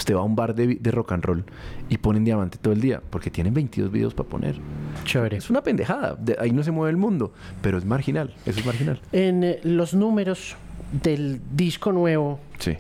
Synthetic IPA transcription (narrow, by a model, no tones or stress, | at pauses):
st̪e̞βaumbaɾd̪ed̪e̞ro̞kanro̞l | ipo̞nend̪jamãnt̪et̪oeld̪ia̰po̞ɾke̞t̪je̞ne̞mbe̞jnt̪iðo̞zβḭðe̞ospapo̞̰nʔḛɾt͡ʃoɾesunape̞nd̪e̞xaða̰d̪eʔaino̞s̬emwe̞βelmũnd̪o̞ | pe̞ɾo̞e̞zmaɾxinal | es̬oezmaɾxinalenlo̞znume̞ɾosd̪eld̪isko̞nwe̞βosḭ